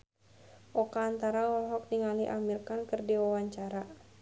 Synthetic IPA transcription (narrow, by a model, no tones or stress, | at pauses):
ʔɔkaːnt̪aɾawɔlɦɔk̚niŋaliʔamirkankɨrdiwawaɲt͡ʃaɾa